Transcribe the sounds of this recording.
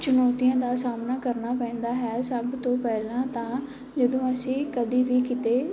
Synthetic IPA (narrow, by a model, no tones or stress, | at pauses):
t͡ʃʊnɔːt̪iãd̪aːsaːmnakɐɾnapɛ̃ːn̆d̪aɦɛasɐbʱt̪õpɛɦlãt̪ã | d͡ʒɪd̪õɐsĩkɐd̪ʱibikɪt̪e